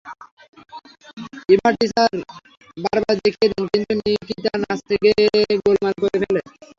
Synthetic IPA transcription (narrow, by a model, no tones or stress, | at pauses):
ibaʈisaɾ | baɾbaɾd̪ekʰied̪inkint̪unikit̪anast̪ʰekeɡolmalkoɾepʰele